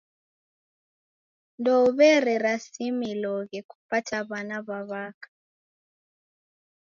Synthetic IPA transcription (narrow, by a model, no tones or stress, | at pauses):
ndɔuβɛrɛɾasimilɔɣɛkʰu̥patʰaβanaβaβaːkʰḁ